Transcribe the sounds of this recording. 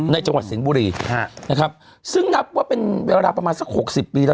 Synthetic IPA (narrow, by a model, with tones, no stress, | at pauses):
na˧jt͡ɕa˧ŋwa˨˩t̪si˩˦nbuː˧ɾiː˧˩na˦˥kʰɾa˦˥p̚ | sɯ˥˩ŋna˦˥p̚waː˥˩pe˧nweː˧ɾaː˧pɾa˧maː˧nsa˦˩k̚ho˨˩k̚si˨˩pːiː˧laː˦˥